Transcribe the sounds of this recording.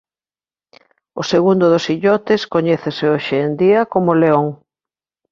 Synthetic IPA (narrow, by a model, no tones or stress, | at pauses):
oseɣund̪ʊðosiʎɔt̪ɪskoɲɛθesɪoʃeːnd̪iɐkomoleoŋ